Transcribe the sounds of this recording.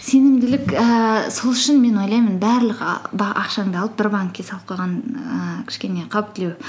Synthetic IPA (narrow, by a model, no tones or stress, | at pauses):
se̞nɪmd̪ɪlɪkəso̞lˠʏʃɪnme̞nwo̞jlˠɑjmənbæɾləqbɑʔɑ̰qʃɑɴd̪ɑlˠəp̚b̥ɪɾbɑŋkʲːʰesɑlˠp̚qɑʁɑnəkʲʰɪ̥ʃkʲe̞ne̞qʰɑwp̚t̪ʰːɪlew